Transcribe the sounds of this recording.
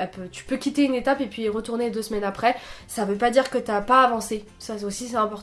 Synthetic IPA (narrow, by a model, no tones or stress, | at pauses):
ɛpøt̪y̥pøkʲit̪eynet̪apepɥiɛʁət̪uʁned̪øsmɛnapχɛsavøpad̪iʁkət̪yapaːvɑ̃se | sasosisɛɛ̃pɔʁt̪